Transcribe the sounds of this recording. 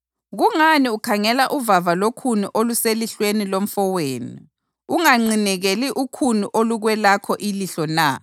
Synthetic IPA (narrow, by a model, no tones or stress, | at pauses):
ɣuŋaniukʰaŋɛlaʔuvavalokʰuniʔoluseliɬwenilom̩fɔweːnḭ | uŋaŋ͡ǀinɛɣeliʔukʰuniʔoluɣwɛlakʰɔʔiliɬɔna